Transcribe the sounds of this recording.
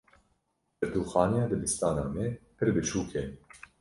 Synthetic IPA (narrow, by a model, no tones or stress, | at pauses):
bɛɾd̪uːxɑːnjɑːd̪ɨbist̪ɑːnaːmɛpʰɨɾbɨt͡ʃʰuːkʰe